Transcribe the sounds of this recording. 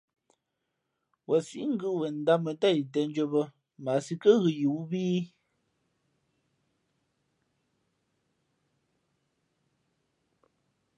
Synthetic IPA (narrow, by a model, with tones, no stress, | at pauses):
wɔ˨si˨˦ŋ̩˦ɡɨ˦wɛ˨n̩˦da˦mə˨ta˦˨i˨t̬ɛ˨n˦d͡ʒo˦bə˦ | ma˨si˦kə˦ɣɨ˨ju˨˦wbiː˦